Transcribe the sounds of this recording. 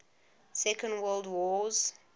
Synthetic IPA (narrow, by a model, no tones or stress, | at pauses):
sɛkə̃ndwɜːlˠdwɔːz̥